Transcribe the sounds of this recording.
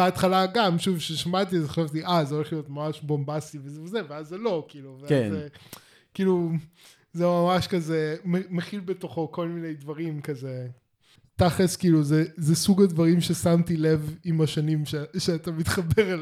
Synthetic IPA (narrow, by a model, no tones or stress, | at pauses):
beat̪χalaɡamʃuvʃeʃamat̪iazeχo̥ʃavt̪iʔazoleχlijo̞t̪mamaʃbombasivezevezeveazːelo̞kiːluveaze | kiːlu | zemamaʃkazememeχilbet̪o̞χo̞ko̞lmine̞jdvɐʁimkaze | t̪aχeskiːluzezesuɡadvaʁimʃe̞samt̪ile̞vimaʃanimʃeʃeat̪amit̪χabeʁel